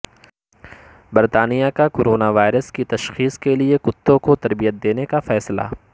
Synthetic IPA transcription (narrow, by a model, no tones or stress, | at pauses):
bɐɾt̪aːnijakakoːɾoːnaʋaːɪɾəskit̪ɐʃxiːskeliekʊt̪ːõkot̪ɐɾbijət̪̚d̪eːnekafɛːsla̰